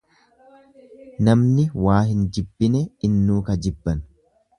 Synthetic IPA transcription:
nɐmnɪwaːɦɪnd͡ʒɪbːɪnɛɪnːuːkɐd͡ʒɪbːɐn

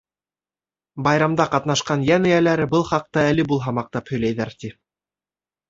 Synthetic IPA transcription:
bɑjɾɑmd̪ɑqɑt̪n̪ɑʃqɑnjænɘ̆jælæɾɘbɤlˠχɑq̚t̪ɑælɘbulˠɦɑmɑq̚t̪ɑphɵ̆jlæjðæɾt̪i

